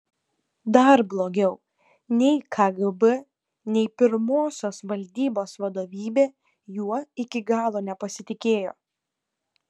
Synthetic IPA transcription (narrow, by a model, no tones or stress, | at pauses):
d̪ɐɾblˠoːɡʲɛʊ | nʲɛɪkʰɐɡɨbɛ | nʲɛɪpʲɪɾmoːsʲoːsʋɐlʲd̪ʲiːboːsʋɐd̪oːʋʲiːbʲeː | juɔɪkʲɪɡɑːlˠoːnʲɛpɐsʲɪt̪ʲɪkʲeːjo̰ː